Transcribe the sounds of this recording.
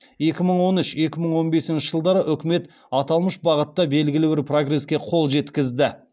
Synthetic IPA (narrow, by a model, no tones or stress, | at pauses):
je̞kʲɪməɴwo̞nʏʃje̞kʲɪməɴwo̞nbe̞sɪnʃɪʒəlˠd̪ɑɾəʔʏkʲɪme̞t̪ | ɑt̪ɑlˠməʃbɑʁət̪ːɑbe̞lɡʲɪlɪbɪɾpro̞ɡre̞skʲe̞qʰo̞lˠʒe̞t̪kʲɪzd̪ɪ